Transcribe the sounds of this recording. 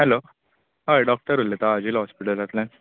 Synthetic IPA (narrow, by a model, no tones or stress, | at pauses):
ɦɛlo | ɦajɖɔk̚ʈəɾulet̪aːd͡ʑilɦɔspiʈəld͡zat̪lãn